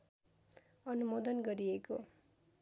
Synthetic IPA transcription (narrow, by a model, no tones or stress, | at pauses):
ʌnumod̪ʌnɡʌɾieko